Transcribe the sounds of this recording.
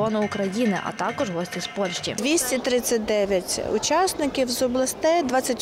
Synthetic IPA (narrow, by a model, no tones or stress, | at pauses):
ɔnʊʊkɾɐjinɪʔɐ̰t̪ɑkɔʒɦɔsʲtʲispɔlʲʃt͡ʃʲḭd̪ʲʋʲisʲtʲit̪ɾɪt͡sʲːɐt̚ʲd̪ɛʋʲjɐtʲʊ̰t͡ʃɑsnɪkʲiwzɔblˠɐst̪ɛjd̪ʋɑt͡sʲːɐtʲ